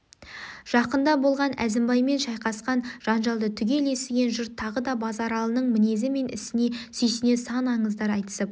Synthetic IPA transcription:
ʒ̥ɑqənd̪ɑbo̞lˠʁɑnæ̰zɪmbɑjme̞nʃɑjqɑsqɑnʒ̥ɑnʒɑlˠd̪ət̪ʰʏɡʲe̞le̞sɪɡʲe̞nʒʊɾt̪ʰːɑʁəd̪ɑbɑzɑɾɑlˠənəɴmɪne̞zɪme̞nɪ̰sɪne̞sʏjs̬ɪne̞sɑnɑɴəzd̪ɑɾɑjt̪ə̥səp

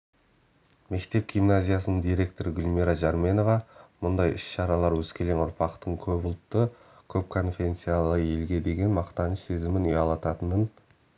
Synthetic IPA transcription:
me̞kt̪e̞p̚ɡʲijmnazʲijasənəɴd̪ijɾe̞k̚t̪o̞ɾəɡʲʊlʲmʲiɾaʒɑɾmʲe̞no̞vɑmʊnd̪ɑjɪʃʃɑɾɑlˠɑɾwɵzkʲe̞lenʊɾpɑqt̪əɴkʲʰɵbʊlˠt̪ːə | kʲʰɵp̚kʰo̞nfʲent̪sijalˠəe̞lɡʲe̞d̪e̞ɡʲe̞nmɑqt̪ɑnəʃse̞zɪmɪnejɑlˠɑt̪ɑt̪ənən

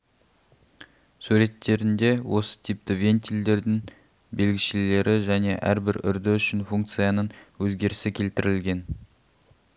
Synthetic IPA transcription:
sʉɾe̞t̪ʰːe̞ɾɪnd̪e̞wʔo̞sə̥t̪ʰip̚t̪ɪvʲe̞nt̪ild̪e̞ɾd̪ɪŋ | be̞lɡʲɪʃɪle̞ɾɪʒæne̞ʔæ̰ɾbɪɾʏ̰ɾd̪ɪʏʃɪnfuŋk̚t̪sɨjanəɴwɵzɡʲe̞ɾɪsɪkʲʰe̞lt̪ɪɾɪlɡʲe̞n

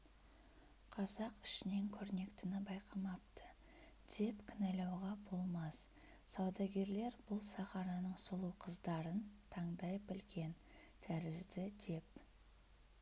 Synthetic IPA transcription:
qʰɑzɑqɪ̥ʃɪne̞ŋkʲʰɵɾne̞kt̪ɪnɪbɑjqʰɑmɑp̚t̪ə | d̪̥e̞pkʲʰɪnælɑwʁɑbo̞lˠmɑs | sɑwd̪ɑɡʲe̞ɾle̞ɾbʊlˠsɑχɑnɑnəɴsʊlˠuwqʰəzd̪ɑɾənt̪ʰɑɴd̪ɑjpbɪlɡʲe̞n | t̪ʰæɾɪzd̪ɪd̪e̞p

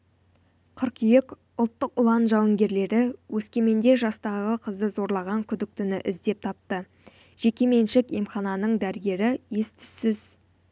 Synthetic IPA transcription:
qʰʊɾqijɪk | ʊlˠt̪ːəqʊlˠɑnʒɑwəŋɡʲe̞ɾle̞ɾɪwʔɵskʲe̞me̞nd̪e̞ʒɑst̪ɑʁəqʰəzd̪əzo̞ɾlˠɑʁɑŋkʲʰʏd̪ɪk̚t̪ʏnɪ̰ʔɪzd̪e̞p̚t̪ʰɑp̚t̪ə | ʒ̥e̞kʲe̞me̞nʃɪke̞mχɑnɑnəɴd̪æɾɡʲe̞ɾɪje̞st̪ʰʏ̥sːɪz̥

